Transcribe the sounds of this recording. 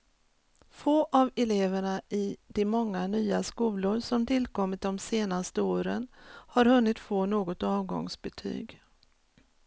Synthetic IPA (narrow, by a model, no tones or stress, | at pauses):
foːʔavɛleːvəɳaʔɪd̪ɛmɔŋːanyːaskuːlʊɾsɔmt̪ʰɪlkʰɔmːɪt̪̚d̪ɔmseːnast̪əoːɾənhaɾhɵnːɪt̪foːnoːɡɔt̪ɑːvɡɔ̰ŋsbɛt̪ʰy̰ːɡ